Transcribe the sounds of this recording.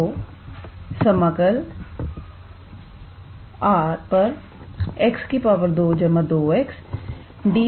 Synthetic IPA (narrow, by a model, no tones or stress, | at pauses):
oː | səməkəl | aːɾpəɾ | ɛkskipaːʋəɾd̪oːd͡ʒəməd̪oːɛks | ɖiː